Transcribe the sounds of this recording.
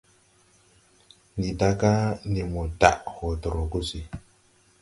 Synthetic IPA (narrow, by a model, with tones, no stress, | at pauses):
ni˨da˨˦ka˦ni˨mo˨ta˨ʔho˨to˨ɾo˨ɡo˦si˨